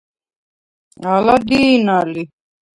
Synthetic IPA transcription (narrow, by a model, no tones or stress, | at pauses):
alad̪inali